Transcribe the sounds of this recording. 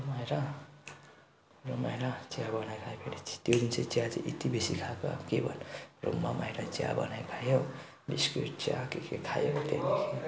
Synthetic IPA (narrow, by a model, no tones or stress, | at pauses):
majɾa | romajɾat͡sjabʌnajkʰajpʰeɽet͡sʰt̪jod̪int͡sʰet͡sjat͡sḛʔet̪ibesikʰako̰kebʌnro̰mːama̰jɾat͡sja̰bʌ̰najkʰajo | biskɾit͡sa̰kekekʰajot̪ḛnikʰe